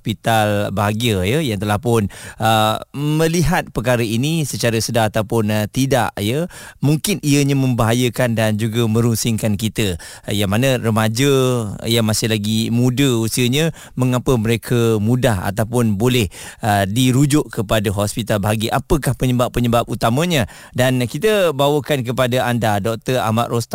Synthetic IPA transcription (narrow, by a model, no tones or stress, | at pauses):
spit̪albaɦaɡiəjəjaŋt̪əlahpʊnəmə̃liɦat̪̚pəkaɾəinisət͡ʃaɾəsədaɦat̪awpʊnt̪ida̰ʔjəmuŋkɪniəɲamə̃mbaɦajəkandand͡ʒuɡəmə̃ɾunsɪŋkankit̪ə | jaŋmanə̃rəmad͡ʒəjaŋmasɪhlaɡimũdəusiəɲə | məŋapəməɾekʰəmũdaɦa̰t̪awp̬ʊnbolɛhədiɾud͡ʒʊʔkəpadaɦɔspit̪albaɦaɡiʔapəkahpəɲəbapːəɲəbap̚ut̪amə̃ɲə̃ | dankit̪əbawəkank̬əpadaandadɔk̚t̪əra̰ma̰ʔrost̪a